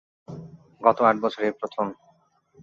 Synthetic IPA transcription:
ɡɔt̪oaʈbɔt͡ɕʰoɾepɾot̪ʰom

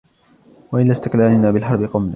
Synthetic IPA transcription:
waʔɪlast̪ɪqlaːlɪnaːbɪlħɑɾˤbɪqʊmla

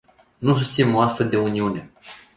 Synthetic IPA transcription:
nus̬ust̪sinoast̪fe̞ld̪e̞uniune̞

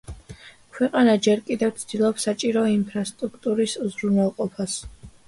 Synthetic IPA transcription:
kʰwɛqʼanad͡ʒɛɾkʼid̪ɛvt̪sʰd̪ilˠɔpsat͡ʃʼiɾɔimpʰɾast̪ʼɾukʰt̪ʼuɾisuzɾunwɛlˠqʼɔpʰas

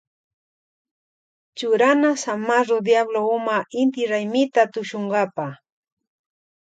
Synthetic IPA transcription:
t͡ʃʊɾanasamaɾod̪jabloʊmaɪnt̪ɪɾajmɪt̪at̪ʊʃoɴɢɑpa

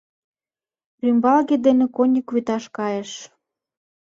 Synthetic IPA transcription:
rymbɑlɣed̪enĕkonʲikβyt̪ɑʃkɑjĕʃ

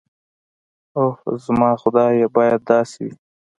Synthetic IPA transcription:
ohzmɑːxʊd̪ɑjebɑːjad̪̚d̪ɑːswḭ

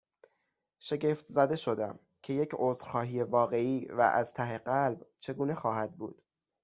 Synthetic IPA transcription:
ʃe̞ɟeft̪ʰzæd̪e̞ʃo̞d̪æm | cʰe̞je̞cʰozɾxɒːɦije̞vɒːɣe̞iːvæ̰ʔæ̰z̥t̪ʰæɦe̞ɢælbt͡ʃʰe̞ɡuːne̞xɒːhæd̪̚bṵːd̪̥

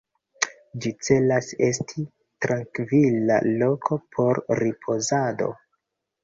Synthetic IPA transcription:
d͡ʒit͡se̞lase̞stʰi | tɾaŋkvila̰lo̞kʰo̞pʰo̞ɾɾipʰo̞zado̞̰

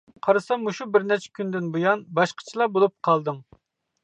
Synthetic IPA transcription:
qʰɑɾɨsɑmːuʃubɪɾnɛt͡ʃʰɛ̥kʲynd̪ɪnbujɑnbɑʃqʰə̥t͡ʃʰilˠɑbolˠup̚qʰɑlˠd̪ɨŋ

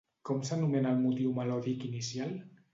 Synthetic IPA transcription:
kɔmsanumenalmut̪iwmalɔðikinisjal

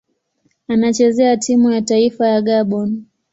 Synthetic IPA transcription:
anat͡ʃɛzɛatʰimujataifajaɠaɓɔn

